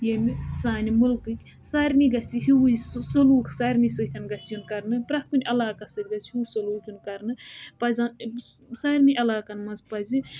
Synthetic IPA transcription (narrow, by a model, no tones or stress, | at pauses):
jemisaːnimulkɨkʲ | saːɾʲniɡɐsiɦiwuissɐluːksaɾʲnisɨt̪ʲʰɐnɡɐsjunkɐɾnɨpɾɐt̪̚ʰʲkunʲɐlaːkasɐt̪ʲɡɐshisɐluːkʲjunkɐɾnɨpɐzʲansaɾʲniʔɐlaːkɐnmɐnzpɐzi